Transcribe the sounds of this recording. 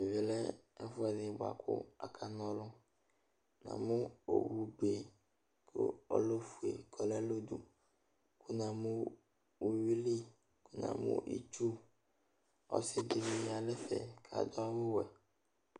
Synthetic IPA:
e˨vi˨lɛ˦ɛ˦fʊ˦ɛ˨dɪ˨bʊ˨a̰˨kʰʊ̰˦a̰˨kʰa˨nɔ̃˦lʊ˦ | nã̰˨mʊ̃˦o̰˨wu˨be˨ | kʰʊ̰˦ɔ̰˦lo˦fu˨e˨kʰɔ˨lɛ˦lo˦du˨ | kʰu˦nã˨mũ˦ | wu˨wi˦li˦ | ku˦nã̰˨mṵ̃˦ʔḭ˨t͡ʃu˦ | ɔ̰˦sɪ˦d̪ɪ˨vi˦ja˨lɛ˦fɛ̰˨kʰa̰˨d̪ɔ˦a˦wʊ˦wɛ˨

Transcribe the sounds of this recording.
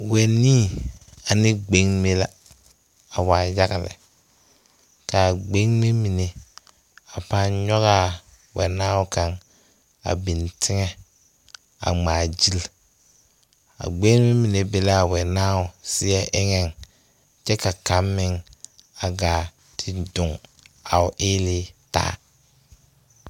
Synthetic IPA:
wɛ˨niː˦˨a˨nɪ˦ɡ͡be˦ŋme˦la˦ | a˨waː˨ja˦ɣa˨lɪ̰˨ | ka˨ɡ͡be˦ŋme˦mi˨ne˨ | a˨pa˦nɲɔ˦ɣa˦˨ | wɛ̰˨naː˦ʊ˦ka˨ŋ | a̰˨bi˨ntʰɪ˦ŋɛ˦ | a̰˨ŋ͡maː˨d͡ʒi˦l | a̰˨ɡ͡be˦ŋ˦me˦mi˨ne˨be˨la˦a˨wɛ˨naː˦ʊ˨sɪ˦ɛ˦ʔɪ˦ŋɛ˦˨ŋ | t͡ʃɛ˦ka˨ka˦mːɪ˦ŋa˨ɡaː˨ | tʰɪ˨dʊ˨ŋa˨ʊ˨ʔɪː˦lɪ˦ta̰ː˦

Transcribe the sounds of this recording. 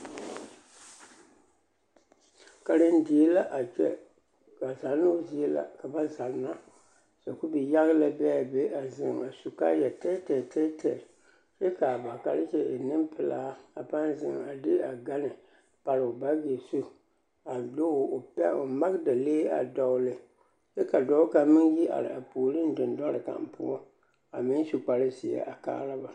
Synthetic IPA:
ka˨ɾɨ˦n˦di˨e˦la˦ʔa˨t͡ʃɛ˦ | ka˨za˨lno˦zi˨e˦la̰˨ka˨ba˦za˨lna˦ | sa˨ku˦bi˨ja˦ɣla˦bɛ˦˨be˦a˨zɪ˨ŋa˨su˨ka̰˦jɛ˨tɛ˦tɛ˨tʰɛ˦tʰɛ˨ | sɛ˦ka˨ba˨ka˨ɾɪ˦t͡ʃɛ˦ʔe˨nɨ˦mpʰɨ˨laː˦a˨pa˦n˦zɪ̰˨ŋa˨dɪ˦a˨ɡa˦nɨ˨ | pa˨ɾo˨ba˦ɡi˨su˦ | a˨do˦˨o˨pɛ̰˦o˨ma˦ɣda˨leː˦a̰˨dɔ˨˦lɨ˨ | sɛ˦ka˨dɔ˨ʊ˦ka˦mɪ˦nji˦ʔa̰˨ɾɪ̰˨a˨pu˨lɨ˦n˦dɪ˨ndɔ˦ɾɨ˨ka̰˨m˨pṵ˦ɔ˦ | a˨mi˦n˦su˨k͡pa˨ɾɨ˦si˨ɛ̰˨ʔa˨ka̰ː˦ɾa˦ba˨

